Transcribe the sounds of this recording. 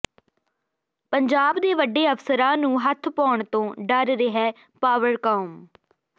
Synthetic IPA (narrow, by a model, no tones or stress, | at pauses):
pəɲd͡ʒaːbd̪eːʋəɖːeːəfsəɾãːnũːɦət̪ʰpɔːɳt̪õːɖəɾɾeɦɛː | paːʋəɾkaːm